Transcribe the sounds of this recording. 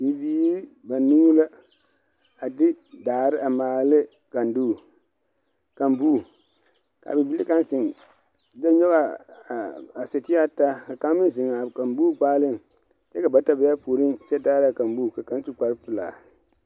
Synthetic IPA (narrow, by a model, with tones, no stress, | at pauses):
bi˨biː˦ | ba˨nu˦la˦ | a˨dɪ˦daː˨ɾɪ˦ʔa˨maː˨lɪ˦ | ka˨nduː˦˨ | ka˨mbu˦˨ | ka̰˨bɪ˨bi˦li˦ka˦nsɪ˨ŋ˨ | da˦ɲɔ˦ɣa˨ | a˨sɪ˨tɪ˦a˦ta˦ka˨ka˦mɪ˦zɪ˨ŋa˨ka˨mbu˦ɡ͡baː˦lɪ˦˨ŋ | t͡ʃɛ˦ka˨ba˨ta˦bɪ˨˦ja˦po˨ɾi˦nt͡ʃɛ˦daː˦ɾɪ˦a˨ka˨mbuː˦˨ka˨ka˨˦nsu˦k͡pa˨˦ɾpɪ˨la̰ː˨